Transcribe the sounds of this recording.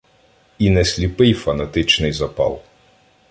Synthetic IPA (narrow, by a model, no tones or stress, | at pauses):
inɛsʲlʲipɪjfɐnɐt̪ɪt͡ʃnɪjzɐpɑ̰lˠ